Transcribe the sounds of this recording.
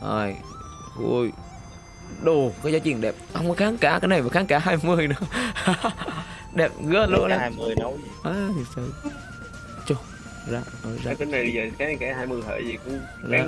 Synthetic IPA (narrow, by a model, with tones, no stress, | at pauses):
ʔa̰ː˧˩j | vṵ˧˩j | ɗo˨˩kaː˨˦jzaː˨˦t͡ɕḭ˧˨ənɗɛ˨˩p̚ha˧wŋ͡mkɔː˨˦xaː˨˦ŋkaː˧˩˦kaː˨˦jna˨˩jmaː˨˩xaː˨˦ŋkaː˧˦ɦaː˧jmɨ˨˧˩əjnɨ̰˨˧˦ə˧ | ɗɛ˨˩p̚ɣɨ˧˥əlu˧əʔa˧mɨ˨˩əjnə˨˦wʔaː˨˩i˨˩sə˧˩ | t͡ɕo˧˩ | zaː˧ə˧˩za˧˨˧t̪e˧nːa˨˩jɓi˧zəː˨˩˧kaː˨˦ka˧˦haː˧jmɨ˨˧əjɦə̰˧˩jzi˨˩ku˧ | zaː˧